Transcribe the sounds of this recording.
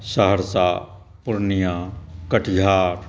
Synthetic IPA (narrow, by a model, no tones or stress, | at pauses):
səɦəɾsaː | pʊɾnijãːkəʈʰɡʱaːɾ